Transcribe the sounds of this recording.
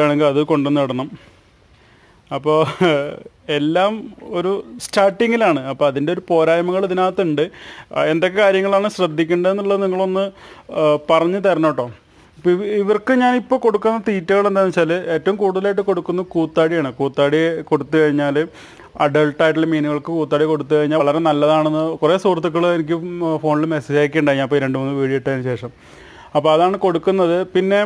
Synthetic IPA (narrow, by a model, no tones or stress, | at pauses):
aːɳeŋɡilɐðɨko̞ɳɖenːɨɐɽɐnːɐm | ɐpːo̞ː | e̞lːaːmo̞ɾustaːʈːiŋɡilaːɳɨɐpːoːɐðinde̞o̞ɾupo̞ːɾaːjɐmɐŋːɐɭɐðinaːt̪ːɐuɳɖɨe̞nd̪okːekaːɾjɐŋːɐɭaːɳɨɕrɐd̪ʱːikʲːuɳɖɐðenːuɭːɐniŋːɐɭo̞nːɨ | pɐrɐɲːɨt̪ɐɾɐnːoːʈːo̞ː | pːoiʋɐrkɨɲaːnipːo̞ːko̞ɽukːunːɐt̪iːtːuɣɐɭe̞nd̪aːmt͡ɕaːlɨe̞ːtːɐʋumkuːɽuðɐlaːjiʈ̬ːɨko̞ɽukːunːɐkuːt̪ːaːɽijaːɳɨkuːt̪ːaːɽiko̞ɽut̪ːɨkɐɻiɲːaːl | ɐɖɐɭʈaːjʈ̬ːilemiːnuɣɐɭkɨkuːt̪ːaːɽiko̞ɽut̪ːukɐɻiɲːaːɭɐɾe̞nɐlːɐðaːɳenːɨkure̞ːsuːrɐt̪̬ːuk̬ːɐɭenik̬ʲːɨfo̞ːɳilmesɐd͡ʑaːɣikʲːɐɳɖaːiɲaipːoɾe̞ɳɖɨmɐnːɨʋiːɻijiʈːɐðinːɨɕe̞ːʂɐm | ɐpːoɐðaːɳɨko̞ɽukːunːɐðɨpinːe̞